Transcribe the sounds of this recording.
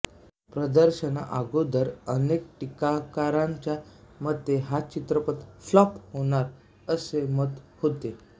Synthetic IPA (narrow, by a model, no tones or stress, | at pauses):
pɾəd̪əɾɕəna̰ʔaɡod̪əɾənek̚ʈikakaɾãɲt͡ɕjamət̪ːeɦat͡ɕit̪ɾəpət̪flɔphoɽ̃aɾ | əsemət̪hot̪e